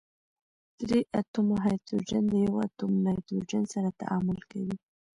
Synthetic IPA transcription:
d̪̥ɾeʔat̪umoɦajt̪ɾod͡ʒand̪əjawa̰t̪umnɑjd̪ɾod͡ʒansaɾat̪a̰ʔɑmʊlkawi

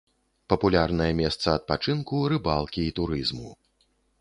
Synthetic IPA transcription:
pɐpulʲarnɐjɐmʲɛst̪sɐːt̪̚pat͡ʂɨnkuɾɨbalˠkʲiːt̪uɾɨzmu

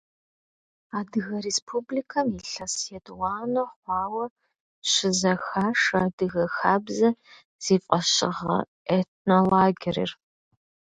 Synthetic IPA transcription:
aːdɨɣɐrespʰublikʰɐmiɬɐsjedwɑːnoχʷɑːwɐ | ɕɪzɐxaːʂɐdɨɣɐxaːbzɐ | z̥iːfʼɐʃɪʁɐ̰ | et̚ʰnolaːɡʲɪɾḭr

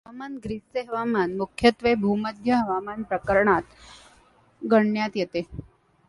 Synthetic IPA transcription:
ɦʋamanɡɾiseɦəʋamanmukʰjət̪ʋebʱuməd̪ʱjəɦəʋamanpɾəkəɾɳat̪ | ɡəɳjat̪jet̪e

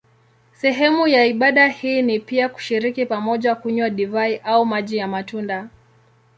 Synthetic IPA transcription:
sɛɦɛmujaiɓaɗahiːnipiaku̥ʃiɾikipamɔʄakuɲwaɗivaiʔaumaʄijamatunda

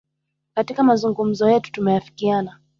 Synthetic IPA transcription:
katikamazuŋɡum̩zɔjɛtu̥tumɛjafi̥kiana

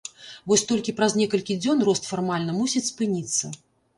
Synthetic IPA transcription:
vɔsʲt̪ɔlʲkʲipɾɐznʲɛkɐlʲkʲid͡zʲɔnrɔst̪farmalʲnɐmusʲit͡sʲspɨnʲit̪sːɐ

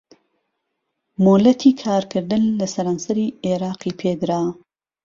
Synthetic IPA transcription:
molɐt̪ʰiːkʰaːɾkʰɨɾd̪ɨnlɐsɐɾaːnsɐɾiːeɾɑːqiːpʰeːd̪ɾaː

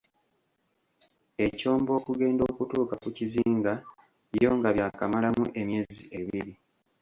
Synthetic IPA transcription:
e̞co̞ːmbo̞ːkuɡe̞ːndo̞ːkutuːkakuciziːŋɡa | jo̞ŋɡaβjaːkamalamuʔe̞mje̞ːziʔeβiɾi

